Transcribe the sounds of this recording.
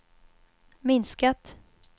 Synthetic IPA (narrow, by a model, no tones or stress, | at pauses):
mɪnskat̪